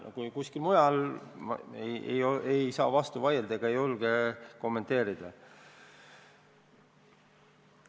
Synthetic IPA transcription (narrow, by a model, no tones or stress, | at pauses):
kujkuskilmujɑl̰ | ejḛjoejsɑ̰ːvɑst̪uvɑjeld̪̥ɑeɡ̥ɑejo̞lɡ̥eko̞mːe̞nt̪e̞ːɾid̪̥ɑ